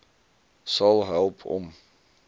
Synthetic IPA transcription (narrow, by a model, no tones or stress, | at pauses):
sɑlˠɦɛlˠpʰɔ̰m